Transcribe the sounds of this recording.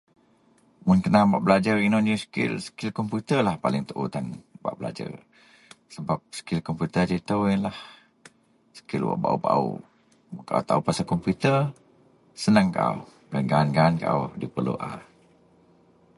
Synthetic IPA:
mʊnkənabaʔbəlad͡ʒarinɔnəskɪ̰lsə̥kɪlkɔmput̪ərlahpalɪŋt̪əʔṵt̪anba̰ʔbəla̰d͡ʒa̰r | səbap̚sə̥kɪlkɔmput̪əd͡ʒit̪əwjənlah | sə̥kɪlwa̰ʔba̰ʔuba̰ṵ | kaʔa̰wt̪aupasakɔmput̪ər | sənaŋkaʔa̰w | danɡaːnɡaːnkaʔa̰wdipərlṵʔa̰

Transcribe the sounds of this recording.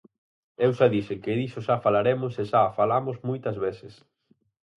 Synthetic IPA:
ewʃaðisɪkɪðiʃoʃafalaɾemʊseʃafalamosmujt̪ɐzβeθɪs

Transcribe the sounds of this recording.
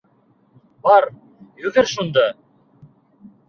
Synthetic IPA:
bɑɾ | jɵɡɘɾʃund̪ɑ

